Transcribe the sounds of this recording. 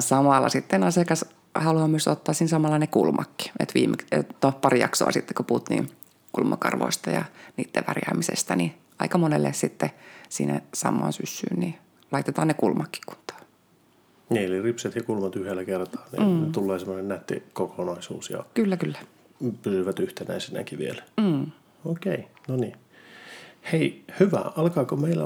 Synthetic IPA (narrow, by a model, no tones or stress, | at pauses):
sɑmɑlːɑ̰sit̪ːenɑsekɑs | hɑluɑmmyøst̪ot̪ːɑːssiːnsɑmɑlːɑnekulmʔɑkːi̥ḛt̪ʋiːmʔekett̪opɑrijɑ̰kso̰ɑ̰sit̪ːe̥koput̪nḭːn | kulmɑ̰kɑ̰rʋo̰ist̪ɑjɑ̰niːt̪ːḛʋærjɑ̰ːmisḛst̪æni | ɑikɑmonelːessit̪ːesḭːnæ̰sɑ̰mːˑɑ̰ːnsysːy̰ːnni | lɑit̪et̪ɑːnnekulmɑkːi̥kku̥nt̪ːˑɑ̥ː | neːliripset̪jɑkulmɑt̪yhelːækert̪ɑ̥ːnḭːnet̪ulːeːsemːonennæt̪ːḭkokʰonɑisṵːsjɑ̰kylːækylːæ | pysyʋæt̪yht̪enæisenæ̰kiʋḭelæː | oːkeinoni | heihyʋæ̰ɑlkɑːkomeilːæ̰